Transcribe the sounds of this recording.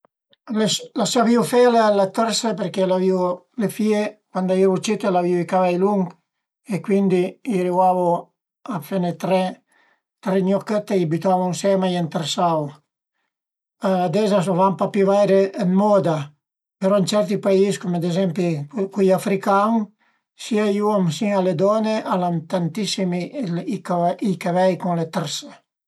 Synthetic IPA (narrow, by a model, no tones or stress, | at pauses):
leslasaviufɛlealat̪ɛɾsepeɾkelaviu | lefiekwand̪aiɾut͡ʃit̪elaviuikavajluŋɡ | ekwind̪iiɾiwavo | afenet̪ɾɛ | t̪ɾeɲjɔkːət̪ːeiabit̪avunsɛmajɛnt̪eɾsaw | aad̪ɛzas̬ovampapivajɾeːnmɔd̪a | peɾɔint͡ʃɛɾt̪ipaiskomad̪ezɛmpikujafɾikaŋ | siajuamsialed̪ɔneʔalamt̪ant̪isimikaikavɛjkuŋlet̪ɛɾse